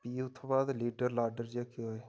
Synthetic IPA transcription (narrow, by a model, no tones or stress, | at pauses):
piːʊt̪ʰːobaːd̪liːɖəɾlaːɖəɾd͡ʒeːkʰɪɦoːe